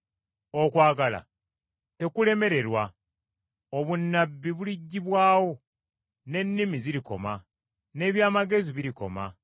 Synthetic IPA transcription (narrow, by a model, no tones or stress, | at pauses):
o̞kwaːɡala̰ | te̞kule̞me̞ɾe̞ɾwa | oβunːabːiβuliɟːiβwaːwo̞ | ne̞nːimiziɾiko̞̰ma | ne̞ːβjaːmaɡe̞ziβiɾiko̞̰ma̰